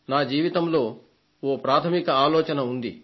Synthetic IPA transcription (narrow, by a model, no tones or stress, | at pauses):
naːd͡ʒiːʋit̪ɐmloː | oːpɾaːt̪ʰɐmikɐaːlɔːt͡ʃɐnɐund̪ḭ